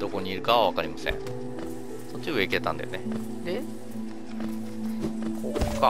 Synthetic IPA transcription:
d̪o̞ko̞ɲ̟iːɾɯ̟kaββakaɾʲimasḛ̃ɴ | sott͡ɕːiɯeiket̪ãnd̪a̰jone̞ | d̪e | koka

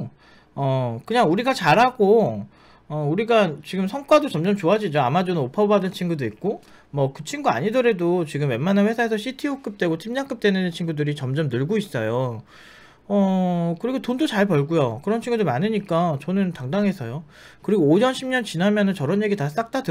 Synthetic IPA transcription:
ʌkɯɲaŋuɾiɡat͡ɕaɾɦaɡo | ʌuɾiɡat͡ɕiɡɯmsʰʌŋk͈wadot͡ɕʌmd͡ʑʌmt͡ɕoad͡ʑid͡ʑoamad͡ʑonɯnopʰʌbadɯnt͡ɕʰinɡudoik̚k͈o | mwʌkɯt͡ɕʰinɡua̰ɲidɯɾe̞dot͡ɕiɡɯmwe̞nmananɸwe̞sʰaesʰʌɕʰitʰiok͈ɯp̚t͈we̞ɡotʰimɲaŋk͈ɯp̚t͈enɯnt͡ɕʰinɡudɯɾit͡ɕʌmd͡ʑʌmnɯɭɡois͈ʌjo | ʌkɯɾiɡotondot͡ɕaɭpʌɭɡujokɯɾʌnt͡ɕʰiŋɡudɯɾmanɯɲik͈at͡ɕʌnɯntaŋdaŋɦe̞sʰʌjo | kɯɾiɡoːd͡ʑʌnɕʰimɲʌnt͡ɕinamjʌnɯnt͡ɕʌɾʌnje̞ɡitas͈ak̚t͈adɯ

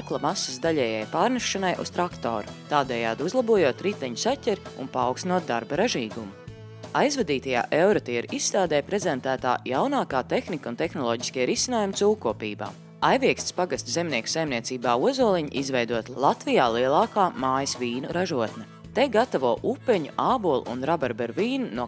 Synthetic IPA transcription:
aklˠɐmasːəsd̪aʎʲɛːjajpaːɾniʃːanajʔṵst̪ɾakt̪o̰ːɾut̪aːd̪ɛːjaːd̪uzlˠɐbuɔjuɔt̪ɾit̪ɛɲusacʲɛɾiṵnpaawksnuɔt̪̚d̪aɾbaɾaʒiːɡumu | ajzvad̪iːt̪aja̰ːʔewɾɔt̪iɛɾisst̪aːd̪ɛːpɾezɛnt̪æːt̪a̰ːjawnaːkaːt̪exnikunt̪exnɔlˠɔːɟi̥skʲiɛɾisinaːjumt̪uːkːuɔpiːba̰ː | ajvʲiɛkst̪spaɡast̪zemniɛksajmniɛt̪siːbaːuɔzuɔlˠiɲḭʔizvɛjd̪uɔt̪lˠat̪vijaːlˠiɛlˠɑːkaːmaːjɐsviːnuɾaʒuɔt̪nɛ | t̪eɡat̪avuɔʔupɛɲuʔaːbuɔlˠṵnɾabaɾbɛɾviːnunuɔ

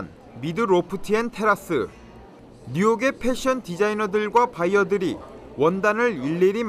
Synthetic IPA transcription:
n | midɯɾopʰɯtʰientʰe̞ɾas͈ɯ̰ː | ujoɡe̞pʰe̞ɕʰiʌntid͡ʑainʌdɯɭɡwapaiʌdɯɾi | wʌndanɯɭiɭːeɾim

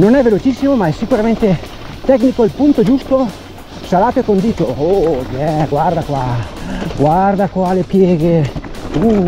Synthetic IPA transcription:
nonɛvelot͡ʃisːimomaɛsːikuɾament̪e | t̪ɛknikoilpunt̪od͡ʒust̪o | salaːt̪oekond̪iːt̪oobjɛɡward̪akwa | ɡward̪akwalepjɛːɡeu

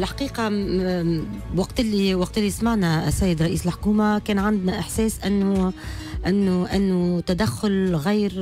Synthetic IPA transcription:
lħḁqiːqɑ | wɑqt̪ɪlːiwɑq̚t̪ɪlːismaʕnæsːæjːɪd̪ɾˤɑʔiːsəlħo̥kuːmakɛːnʕand̪næʔɪħsɛːsʔɪnːʊ | ʔɪnːʊʔɪnːʊt̪æd̪æxːʊlɣijːɾ

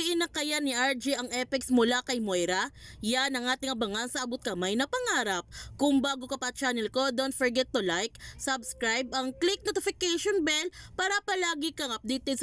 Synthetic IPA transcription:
ɪʔɪnɐkɐjanɪʔaɹd͡ʒiʔɐŋʔɛpɪksmʊlakɐjmojɾɐjanɐŋʔaːt̪ɪŋʔɐbɐŋansɐʔɐbʊt̪̚kɐmajnɐpɐŋaːɾɐp̚kʊŋbaːɡo̞kɐpɐt͡ʃaːnɛlko̞d̪ont̪fɔɹɡɛt̪ːʊlajk̚sɐbskɾajbʔɐŋklik̚not̪ɪfɪkɛʃonbɛlpaɾɐpɐlaːɡɪkɐŋɐp̚d̪iːt̪os

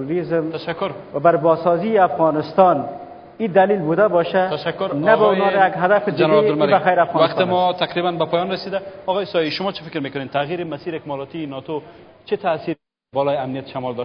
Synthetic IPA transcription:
ɾizmt̪aʃakːʊɾwabaɾbɔsɔziɪafɣɔnɪst̪ɔn | id̪alilbud̪abɔʃat̪aʃakːʊɾnabaunɔajaɡɦad̪afɪdd͡ʒ̪ɪanelbaxajɾafɣɔnaqt̪ɪmɔt̪ʰaqɾibanbapɔjɔnɾasid̪aɔɣɔjɪsɔjiʃʊmɔt͡ʃʰifɪ̥kɾmekʊnent̪ʰaɣiɾɪmasiːɾɪkmɔɾɔt̪iːnɔt̪ot͡ʃit̪asiɾ | bɔlɔjɪamnijat̪ʃamɔld̪ɔʃ

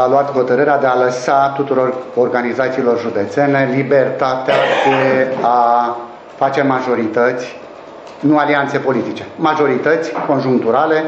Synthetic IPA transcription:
aluat̪ho̞t̪əɾɨɾead̪e̞aləsat̪ut̪uɾo̞rorɡanizat̪siːlo̞rʒud̪e̞t̪se̞ne̞libert̪at̪ead̪ea | fat͡ʃe̞maʒo̞ɾit̪ət̪sʲ | nualiant̪se̞po̞lit̪it͡ʃe̞maʒo̞ɾit̪ət̪sʲko̞nʒuŋk̚t̪uɾale̞

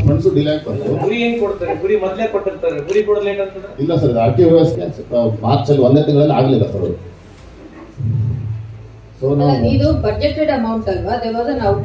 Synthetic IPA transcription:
pɐɳsuɖilaːʈkɐnt̪uɡuɽieːnkoɽt̪ːiɾeɡuɽimɔd̪lekoʈːiɾt̪aɾeɡuɽikɔɽɐleɳʈɐnt̪ɐd̪eilːɐsɐɾiaːʈiʋɐɾɐskemaːɾt͡ʃɐlːiʋond̪et̪iŋɡɐɭɐlːiaːɡɐlilːɐsɐɾ | sonaid̪ubɐd͡ʒeʈɾeɖɐmɐwɳʈsɐlʋad̪eɾʋɔːzɐnɐwʈ

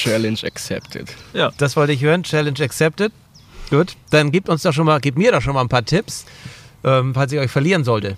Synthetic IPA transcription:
t͡ʃɛlɛnd͡ʒa̰ksɛ̰ptʰɪ̰tjad̥asv̥ɔltəɪçhøːʁənt͡ʃɛlɛnʃaksɛp̚tət | ɡ̥uːtd̥anɡiːp̚tʊnsd̥ɔχʃoːnmaːlɡiːp̚miːɐɾɔχʃoːnmalnpʰaːɐtʰɪpsʔɛːmfals̬ɪçɔʏçfɛɐliːʁ̞ənzɔltə

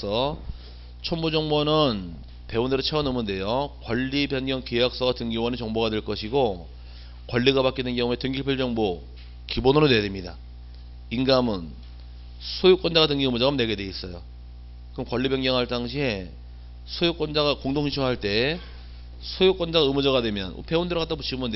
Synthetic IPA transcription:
sʰʌ | t͡ɕʰʌmbod͡ʑʌŋbonɯn | pe̞undeɾɯt͡ɕʰeʌnɯmɯnde̞jokwʌʎːibeŋɲjʌŋkejak̚s͈ʌɡatɯŋɡiwʌnet͡ɕʌŋboɡadweɭk͈ʌɕʰiɡo | kwʌɭːiɡapak͈idwenɡjʌŋue̞tɯŋɡipʰeɭd͡ʑʌŋbo | kibonɯɾonwe̞jademɲida | inɡamɯn | sʰojuk͈wʌnd͡ʑaɡatɯŋɡiɯmud͡ʑaɡʌmne̞ɡe̞dwe̞is͈ʌjo | kɯmkwʌʎːibeŋɲjʌŋɦaɭt͈aŋɕʰiɦe̞ | sʰojok͈ʌnd͡ʑaɣakoŋdoŋit͡ɕʰuŋɦaɭt͈e̞ | sʰojok͈wʌnd͡ʑaɡaɯmɯd͡ʑʌɡadwe̞mjʌn̰pe̞undeɾokat͈abut͡ɕʰiɯmɯnde

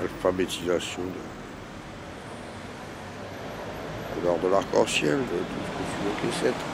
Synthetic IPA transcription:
alfabet̪izasjɔ̃d̪ə | d̪əlɔʁd̪əlaʁkɑ̃sjɛld̪əd̪ukəfyvɔkesɛt̪

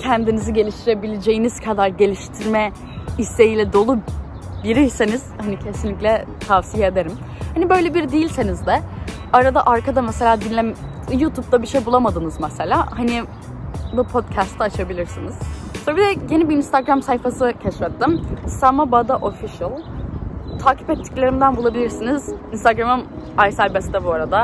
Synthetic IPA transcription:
cʰænd̪iniziɟe̞lʲiʃt̪ʰiɾe̞bilʲed͡ʒe̞jiniz̥kʰad̪aɾɟe̞lʲiʃt̪ʰiɾmɛ | ist̪ʰe̞jiːlʲɛd̪o̞lˠu | biɾijseniz̥hanicʰe̞sinlʲicʲlʲɛ | t̪ʰavsijeed̪eɾim | hanibø̞jlʲebiɾd̪ijilʲsenizd̪ɛ | aɾad̪aʔaɾkad̪amɛse̞lʲaːd̪inlʲːɛmjuːt̪ʰup̚t̪ʰabiʃejbulˠamad̪ɯnɯzmɛselʲaːhanɪ | bupʰot̪cʰast̪ʰɛat͡ʃʰabilʲiɾsiniz̥soɾabid̪ɛje̞nibiinst̪ʰaɡɾamsajfasɯcʰɛʃfɛt̪ːimsamabad̪aʔofiʃɯlˠ | t̪ʰaːcʰi̥pɛt̪ʰːi̥clʲe̞ɾimd̪ænbulˠabilʲiɾsinizinst̪aɡɾamɯmajsælʲbɛst̪ɛbuaɾad̪a

